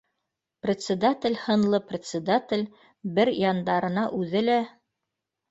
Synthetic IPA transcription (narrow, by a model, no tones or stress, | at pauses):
prʲɪt̪sʲɪd̪at̪ʲɪ̆lʲhɤ̆nlˠɤprʲɪt̪sʲɪd̪at̪ʲɪlʲ | bɘɾjɑnd̪ɑɾɤ̆nɑʔʉðɘlæ